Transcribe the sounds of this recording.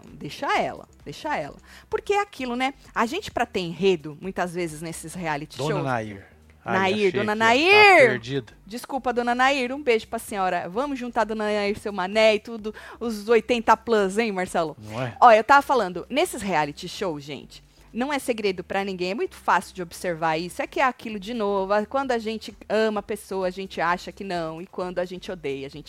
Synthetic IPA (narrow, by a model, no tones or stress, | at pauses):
d̪ejʃaɛ̰lɐ̰d̪̥ejʃaɛ̰lɐ̰poɾkeakʰilʊnɛaʒẽnt͡ʃɪ̥pɾɐt̪ẽj̃ɦed̪ʊmũj̃t̪ɐzvezɪznesɪshealit͡ʃi̥d̪oʃoɐna̰ḭɾ | anaiɾd̪õnɐnaiɾeɾd͡ʒid̪ɐd͡ʒiskupɐd̪õnɐnaiɾũbeʒʊpɾɐsĩɔɾɐvɐ̃mʊzʒũnt̪aɾd̪õnɐnaiɾsewmanɛɪt̪ud̪ʊʊzojt̪ẽnt̪ɐplɐ̃zẽj̃maɾsɛlʊɛɔewt̪avɐfalɐ̃nd̪ʊnesɪshealit͡ʃɪʃowʒḛ̃nt͡ʃɪ̥ | nɐ̃w̃ɛseɡɾed̪ʊpɾɐnĩɡẽj̃ɛmũj̃t̪ʊ̥fasɪwd͡ʒɪobɪseɾvaɾisʊɛkɪɛakilʊd͡ʒɪnovʊakwɐ̃nd̪ʊaʒẽnt͡ʃɪɐ̃mɐpesowɐːʒẽnt͡ʃɪaʃɐkɪnɐ̃w̃ɪkwɐ̃nd̪ʊaʒẽnt͡ʃɪod̪ejɐaʒẽt͡ʃɪ